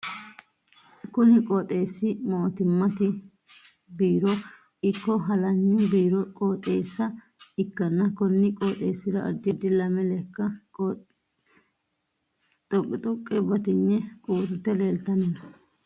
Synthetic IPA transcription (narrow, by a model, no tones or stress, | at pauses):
kʊnɪkʼɔt̪ʼe̞ːsːɪmoːt̪ɪmːɐt̪ɪ | biːɾɔ | ɪkːɔɦɐlɐɲːʊbiːɾɔkʼoːt̪ʼeːsːɐ | ɪkːɐnːɐkɔnːɪkʼoːt̪ʼeːsːɪɾɐʔɐ̰d̪ːɪd̪ːɪlɐmɛlɛkːɐ | t̪ʼɔkʼːɪt̪ʼʊkʼːɛbɐt̪ɪnːɛkʼuːɾʊt̪ːɛle̞ːlt̪ɐnɐnɐ